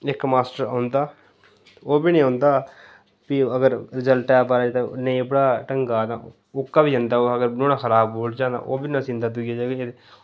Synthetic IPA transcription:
ɪkmaːsʈəɾãːnd̪aː | oːbiːnĩːõːnd̪aː | piəɡəɾɾɪzəlʈɛːpaːɾaːd͡ʒt̪ẽneibəɽaːʈəŋɡaːd̪ã | ʊkːaːbiːɦə̃nd̪aːoəɡəɾnoːnãːxʰəɾaːbɦoːld͡ʒãːnd̪a̰ːʔoːbiːnãːsĩnd̪aːt̪ʊɡijaːd͡ʒaːɡee

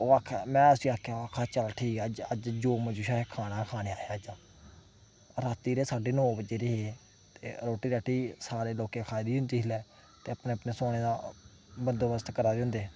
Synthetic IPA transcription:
oːakʰmɛ̃ːəsiːaːkʰakʰaːt͡ʃəlʈʰiːkd͡ʒəd͡ʒd͡ʒoːməd͡ʒuːʃaːekʰaːɽaːkʰaːneːaːjaːəd͡ʒaː | ɾat̪iːɾeːsaːɖeːnõːbəd͡ʒeːɾeɦeː | t̪ḛːɾoːʈiːɾaːʈiːsaːɾeːloːkẽːkʰaːjd̪iːɦʊ̃nd̪iːɦlɛː | t̪eːəpneːəpneːsoːɽ̃eːd̪aː | bənd̪oːbəst̪kəɾaːɾeɦʊ̃nd̪eː

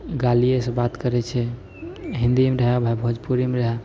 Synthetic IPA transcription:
ɡalijesẽbat̪kəɾɛt͡ʃʰɛ | ɦĩnd̪imeɾəɦabʱajbʱəd͡ʒpuɾimeɾəɦa

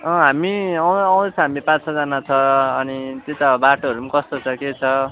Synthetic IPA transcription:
ʌ̃ɦamiʌwʌw̃d̪ʌt͡sʰʌɦamipãt͡ssʰʌd͡zanat͡sʰʌːnit̪et̪ʌbaʈoɦʌɾumakʌst̪ot͡sʰʌket͡sʰʌ

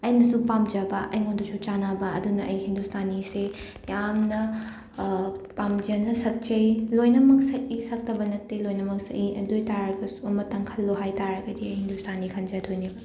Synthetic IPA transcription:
ɐjnɐsupamd͡ʒɐbɐʔɐjŋondosʰot͡ʃanabɐɐdunɐʔɐjhindustʰanise | jamnɐ | pamd͡ʒɐnɐsɐk̚t͡ʃɐjlojnɐmɐk̚sɐk̚isɐk̚tɐbɐnɐtːelojnɐmɐk̚sɐ̰ʔiɐ̰dojtaɾaɾɡɐsuɐmɐtɐŋkʰɐlːoɦajtaɾɐɡɐdiɐjhindustʰanikʰɐnd͡ʒajtʰojnibɐ

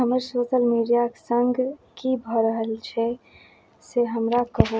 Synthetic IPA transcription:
ɦəməɾsoːʃəlmiɖijaksəŋɡʱkibʱɔɾəɦəlt͡ʃʰɛ | seɦəmɾakəɦ

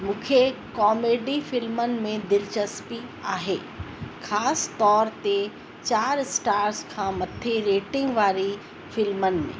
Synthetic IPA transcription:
mũːkʰe | kɔːmeːɖifɪlmənɪ̆mẽd̪ɪlt͡ɕəspiaːɦeː | xʰaːst̪ɔːɾt̪e | t͡ɕaːɾsʈaːɾskʰãːmɐt̪ʰeɾeːʈɪ̃ŋɡʋaːɾi | fɪlmənɪ̆mḛ̃ː

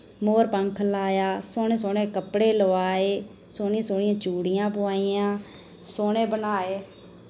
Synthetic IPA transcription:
moːɾpəŋkʰlaːjaːsoːneːsoːneːkəpɽeːloʋaːeːsoːnĩãsoːɳɪjãːt͡ʃuːɽɪjãːpʊaːiːãːsoːneːbənaːeː

